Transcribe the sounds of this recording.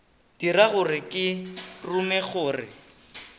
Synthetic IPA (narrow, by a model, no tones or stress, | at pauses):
d̥iɾaɣʊrɪkʼɪrumɛχʊːrɪ̰